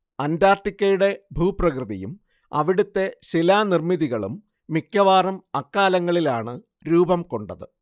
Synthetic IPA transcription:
ɐndaːrʈikʲːɐjuɽe̞bʱuːprɐkrɨðḭjṵm | ɐ̰ʋiɽut̪ːe̞ɕilaːnirmiðiɣɐɭṵmː | ikʲːɐʋaːrɐmɐkːaːlɐŋːɐɭilaːɳɨ | ɾuːbɐmko̞ɳɖɐðɨ

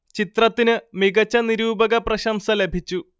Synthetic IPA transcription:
t͡ɕit̪rɐt̪ːinɨmiɣɐt͡ɕːɐniɾuːbɐɣɐprɐɕɐmsɐle̞bʱit͡ɕːu

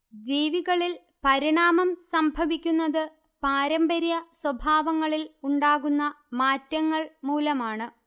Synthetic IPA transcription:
d͡ʑiːʋiɣɐɭil | pɐɾiɳaːmɐmsɐmbʱɐʋikʲːunːɐðɨ | paːɾɐmbɐɾjɐswɐbʱaːʋɐŋːɐɭiluɳɖaːɣunːɐ | maːtːɐŋːɐɭmuːlɐmaːɳɨ

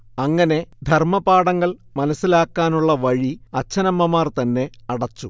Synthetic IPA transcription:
ɐŋːɐne̞d̪ʱɐrmɐbaːɽɐŋːɐɭmɐnɐsːilaːkːaːnuɭːɐʋɐɻiɐt͡ɕːɐnɐmːɐmaːrt̪ɐnːe̞ɐɽɐt͡ɕːu

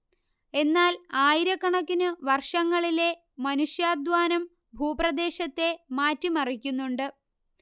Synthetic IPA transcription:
e̞nːaːlaːjiɾɐkːɐɳɐkːinɨʋɐrʂɐŋːɐɭile̞ | mɐnuʂjaːd̪ʋaːnɐm | bʱuːprɐd̪e̞ːɕɐt̪ːe̞maːtːimɐrikʲːunːuɳɖɨ

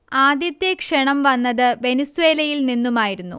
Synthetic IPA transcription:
aːd̪jɐt̪ːjekʂɐɳɐmʋɐnːɐðɨʋe̞nisuʋe̞ːlɐjilninːumaːjiɾunːṵ

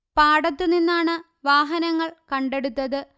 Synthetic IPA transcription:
paːɽɐt̪ːɨninːaːɳɨ | ʋaːɦɐnɐŋːɐɭkɐɳɖe̞ɽut̪ːɐðɨ

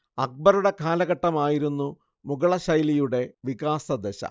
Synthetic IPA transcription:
ɐk̚bɐɾuɽe̞kʰaːlɐɣɐʈːɐmaːjiɾunːu | muɡɐɭɐɕɐjlijuɽe̞ʋikaːsɐd̪eɕɐ̰

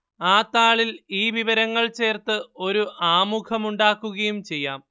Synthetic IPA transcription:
aːt̪ːaːɭiliːʋiʋɐɾɐŋːɐɭt͡ɕe̞ːrt̪ɨo̞ɾuʔaːmukʰɐmuɳɖaːkːuɣɐjumt͡ɕe̞jːaːm

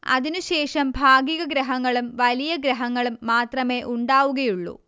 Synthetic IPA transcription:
ɐ̰ðinuɕe̞ːʂɐmbʱaːɡiɣɐɡɾɐɦɐŋːɐɭumʋɐlijɐɡɾɐɦɐŋːɐɭumːaːt̪rɐme̞ːʔuɳɖaːʋuɣɐjuɭːṵ

